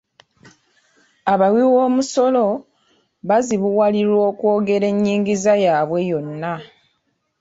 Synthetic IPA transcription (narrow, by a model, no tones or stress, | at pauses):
aβawiwo̞ːmuso̞lo̞ | βaziβuwaliɾwo̞ːkwo̞ːɡe̞ɾe̞ɲːiːŋɡizajaːβwe̞jo̞nːa